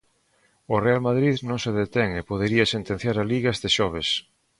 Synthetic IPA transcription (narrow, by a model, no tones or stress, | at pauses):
orealmaðɾiðnõŋseðet̪eŋepoðeɾiɐsent̪ẽn̟θjaɾaliɣazðeʃɔβ̞es